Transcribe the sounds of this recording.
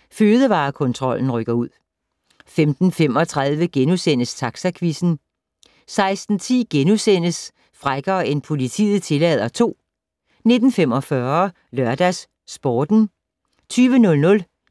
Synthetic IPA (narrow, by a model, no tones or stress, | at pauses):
føːð̞ˠəʋɑ̈ːkʰɔ̽nt͡sʰʁɒ̽l̰n̩ʁœɡ̥ɐuð̞̰ˠ | femd̥n̩fem̰ɒ̽t͡sʰʁaðˠʋəɡ̥enusen̰əst͡sʰɑ̈ɡ̥sækʰʋisn̩ | sɑ̈ɪsd̥n̩t͡sʰḭːɡ̥enusen̰əs | fʁaɡ̥ɐe̝npʰo̝lit͡sʰḭːð̩ˠt͡sʰe̝lɛð̞ˠɐt͡sʰo̝̰ː | ne̝d̥n̩fem̰ɒ̽fɶɐ | lɶɐd̥æsː | b̥ɒːd̥n̩ | t͡sʰyːʋənɔ̽lnɔ̽l